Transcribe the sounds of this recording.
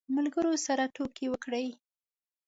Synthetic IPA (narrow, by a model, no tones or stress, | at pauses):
malɡəɾosaɾatokewəkɽəj